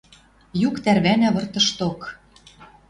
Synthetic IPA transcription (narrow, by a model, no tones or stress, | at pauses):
jukt̪ærβænæβɤ̆rt̪ɤ̆ʃt̪ok